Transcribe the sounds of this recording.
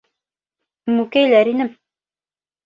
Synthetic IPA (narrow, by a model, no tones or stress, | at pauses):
mukæjlæɾinɘm